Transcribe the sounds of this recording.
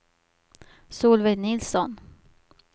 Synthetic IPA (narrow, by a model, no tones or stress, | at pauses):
suːlvɛnɪlsɔn